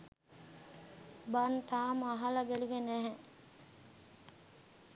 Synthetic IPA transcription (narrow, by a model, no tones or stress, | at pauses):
bant̪aːməaɦalabeluʋenæɦɛ